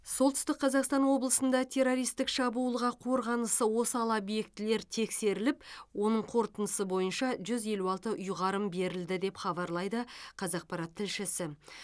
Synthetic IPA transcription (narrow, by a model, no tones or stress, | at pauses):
so̞lˠt̪ʏst̪ɪk̚qʰɑzɑqst̪ɑnwo̞blˠəsənd̪ɑt̪ʲʰe̞ɾo̞ɾijst̪ɪkʃɑbuːəlˠʁɑqʰo̞ɾʁɑnəsəwo̞səɑlˠɑbje̞kt̪ɪle̞ɾt̪ʰe̞kse̞ɾɪlɪpwo̞nəɴqʰo̞ɾt̪ənəsəbo̞jənʃɑʒʏze̞luɑlˠt̪əʔʊjʁɑɾəmbe̞ɾɪld̪ɪd̪e̞pχɑbɑɾlˠɑjd̪əqʰɑzɑq̚pɑɾɑt̪ʰːɪlʃɪsɪ